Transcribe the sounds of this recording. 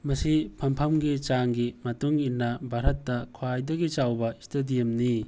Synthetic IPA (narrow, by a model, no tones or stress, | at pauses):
mɐsipʰɐmpʰɐmɡit͡ʃaŋɡimɐtuŋinːɐbʱaɾɐtːɐkʰwajdɐɡit͡ʃawbɐistɐdijɐmni